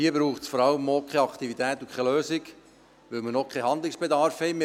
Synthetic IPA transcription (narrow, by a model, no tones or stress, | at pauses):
iəbɾuːχtsfɔɾɑləmokχɛɑkt̪ivit̪æːt̪ukχɛløːsɪk | ʋœlmənokχɛhɑnd̪lɪksb̥ed̪ɑɾfhɛjmɪ